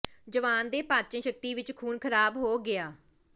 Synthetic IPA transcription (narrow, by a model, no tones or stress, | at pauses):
d͡ʒəʋaːnd̪eːpãːt͡ʃə̃ʃək̚t̪iːʋɪt͡ʃkʰuːnkʰəɾaːbɦoːɡɪaː